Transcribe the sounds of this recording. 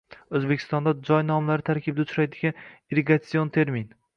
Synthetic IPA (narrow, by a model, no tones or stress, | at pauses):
ɵzbe̞kʲʰɪ̥st̪ɒnd̪ad͡ʒɒjnɒmlaɾɪt̪ʰaɾkʲʰɪbd̪aʊt͡ʃʰɾajd̪ɪɡʲaniɾeɡat̪siont̪ʰe̞ɾmin